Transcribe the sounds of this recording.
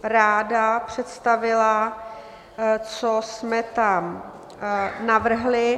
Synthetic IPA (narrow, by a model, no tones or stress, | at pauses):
ɾaːdapr̝̥ɛt̪st̪avɪla | t͡sosmɛt̪am | navr̩ɦlɪ